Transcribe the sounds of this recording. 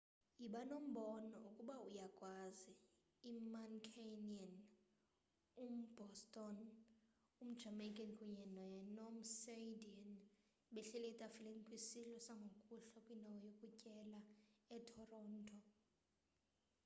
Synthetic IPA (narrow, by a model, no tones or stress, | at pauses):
jiɓanom̩ɓɔnɔ̰ukʼuɓaujakʼwaziː | mankʰenian | um̩b̥ʱɔstʼɔn | um̩d̥ʒ̥ʱamajkʼɛnkʼuɲɛnɔjɛnom̩sedian | ɓɛɬɛlɛtʼafilenikʼwisilɔsaŋɡʱokʼuɬɔkʼwinʱawɔjokʼucʼɛlaɛtʰɔrɔːntʰʼɔ